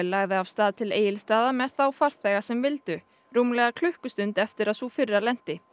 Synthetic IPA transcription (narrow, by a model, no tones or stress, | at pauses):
ɛlaːɣðɪavst̪aːðt̪ʰɪleːjɪlst̪aːðamɛðθawfaɾ̥θɛɣasɛmvɪlt̪ʏ | ɾuːmlɛɣakʰl̥ʏhkʏst̪ʏnt̪ɛft̪ɪɾaðθufɪrːalɛn̥t̪ɪ